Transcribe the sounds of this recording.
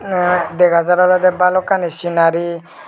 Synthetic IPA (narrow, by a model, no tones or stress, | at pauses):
d̪ɛɡazaɾalɔd̪ɛbalɔkanisinaɾi